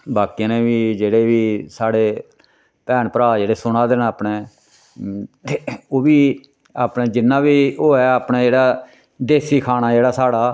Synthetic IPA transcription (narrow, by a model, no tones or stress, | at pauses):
baːkijãːnẽːʋiːd͡ʒeːɽeːʋiːsaːɽeː | pɛːnpəɾaːd͡ʒeːɽeːsʊnãːd̪ɪnaːpnẽː | t̪eːoːʋiː | aːpneːd͡ʒɪnːãːʋiːoːɛːaːpnẽːd͡ʒeːɽaː | d̪eːsiːkʰaːñaːd͡ʒeːɽaːsaːɽaː